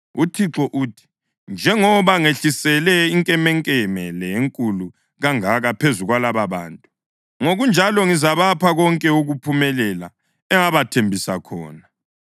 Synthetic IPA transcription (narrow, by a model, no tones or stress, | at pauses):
utʰiǁɔʔuːtʰi̥ | nd͡ʒʱɛŋɔβaŋeɬisɛlɛiŋkʼɛmɛŋkʼɛmɛlɛjeŋkʼulu | ɣaŋaɣapʰezuɣwalaβaβa̰ːntʼu | ŋoɣund͡ʒʱalɔŋizaβapʰaɣɔŋkʼɛuɣupʰumɛlɛla̰ | ɛŋaβatʰembʱisakʰɔ̰ːna